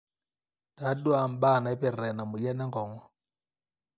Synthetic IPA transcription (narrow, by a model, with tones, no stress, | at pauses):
d̥a˨˦dwa˨m̩˨ba˦˨na˨ɛ˦pɛ˨rɛ˨na˨mʊ˨jɛ˦nɛ˦ŋkɔ˨˦ŋɔ˦